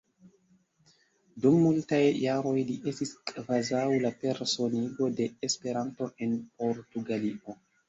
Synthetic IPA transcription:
dumːultajːaɾo̞jliʔe̞stiskʼvazawlape̞ɾso̞niɡo̞de̞ːspe̞ɾanto̞ʔe̞npo̞ɾtuɡaliʔo̞

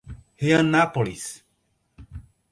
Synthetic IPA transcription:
heãnapolis

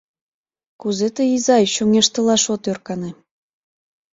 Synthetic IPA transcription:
kuzet̪əizɑjɕuŋeʃt̪ɤ̆lɑʃot̪ørkɑnĕ

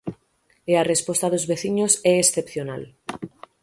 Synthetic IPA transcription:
earespo̞st̪aðozβe̞θiɲo̞seːsθe̞pθjona̰l

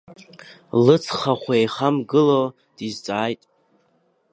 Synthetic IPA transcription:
lɨt͡sʰχaχʷejχamɡɨlo | d̥izt͡sʼaːjtʼ

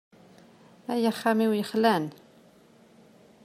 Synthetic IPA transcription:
æjəχæmiwjəχlæn

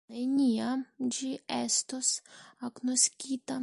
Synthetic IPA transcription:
ajnʲiad͡ʒiɛst̪osaknosʲkʲit̪a

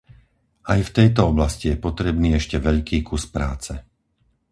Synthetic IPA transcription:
ajft̪ɛjt̪ɔɔblascijɛpɔt̪ɾɛbniːɛʃcɛʋɛʎkiːkuspɾaːt͡sɛ

